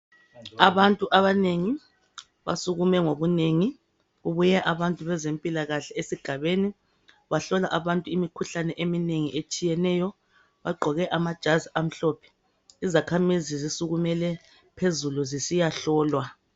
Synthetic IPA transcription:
aβantʼuʔaβaneŋi | βa̰suɣumɛŋoβuneŋi | ɣuβujɛʔaβantʼuβɛzempʼilaɣaɬɛesiɡ̥ʱaβeni | βaɬɔlaʔaβantʼuimikʰuɬanɛʔemineŋiʔet͡ʃʼijɛnɛjɔ | βaɡ͡ǃʱɔɣɛʔamad̥ʒ̥ʱaziam̩ɬɔːpʰɛ̥ | izakʰamizizisuɣumɛlɛ | pʰezuluzisijaɬɔːlwa

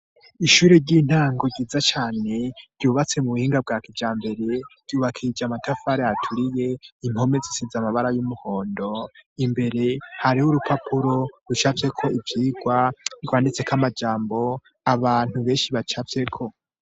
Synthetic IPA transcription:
iʃuːɾeɾɟin̥haːŋɡo̞ɟiːzat͡ʃaːne̞ɾɟuːβat͡se̞muβuhiːŋɡab̚ɡakid͡ʒaːmbe̞ɾe̞ɾ̥ɟ̥uːβakʰid͡ʒamatʰafaɾeatʰuɾije̞imho̞mezisizamaβaɾajumuho̞ːndo̞imbe̞ɾe̞haɾihuɾupapʰuɾo̞ɾut͡ʃavje̞kʰo̞ivjiːɡwaiɡwaːndit͡se̞kʰamad͡ʒaːmbo̞ | aβaːn̥uβe̞ːnʃiβat͡ʃafje̞kʰo̞

